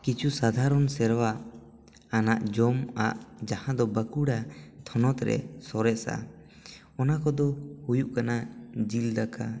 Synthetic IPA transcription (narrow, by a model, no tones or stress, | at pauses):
kit͡ʃʰusad̪ʱaɾɔnsɛɾwaʔː | naʔd͡ʒɔmaʔd͡ʒahãd̪ɔbəkuɽat̪ʰɔnɔt̪ɾɛ̰sɔɾɛʔsa̰ | ɔnakɔd̪ɔhujuʔkanad͡ʒild̪akʰa